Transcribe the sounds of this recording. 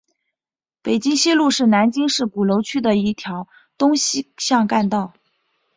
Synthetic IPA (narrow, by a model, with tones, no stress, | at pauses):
pe˨˩ɪt͡ɕi˥ŋɕi˥lu˥˧ʂɻ̩˥˩na˧˥nt͡ɕi˥ŋʂɻ̩˥˩ku˨˩lo˧˥ʊt͡ɕʰy˥d̪ə˨i˥˩t̪ʰjɑ˧˥ʊ | t̪ʊ˥ŋɕɕjɑ˥˧ŋka˥˧nt̪ɑ˥˩ʊ